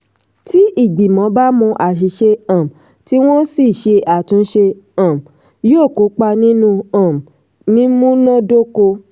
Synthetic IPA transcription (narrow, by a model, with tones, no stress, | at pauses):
ti˦i˦˨ɡ͡bi˨mɔ̃˨˦ba˦mũ˧ʔa˨ʃ̬i˨˦ʃe˧ã˨m˨ | ti˦w̃ɔ̃˦si˦˨ʃe˧ʔa˨tũ˨˧˦ʃe˧ã˨m˨ | jo˦˨ko˨˦k͡pa˧nĩ˦nũ˧ã˨m˨ | mĩ˦mũ˦nɔ̃˦do˦ko˧